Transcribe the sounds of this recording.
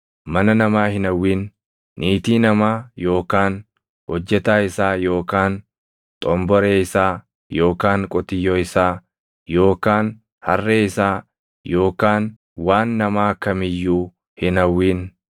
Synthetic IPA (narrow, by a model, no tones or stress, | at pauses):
mɐnɐnɐmaːhɪnɐwːiːn | nʔiːt̪iːnɐmaːjo̞ːkaːn | hɔd͡ʒːɛt̪aːɪsaːjo̞ːkaːn | t̪ʼɔmbɔɾeːɪsaː | jo̞ːkaːŋkʼʊt̪ɪjːoːɪsaː | jo̞ːkaːn | hɐrːeːɪsaː | jo̞ːkaːn | waːnːɐmaːkɐmɪjːuː | hɪnɐwːiːn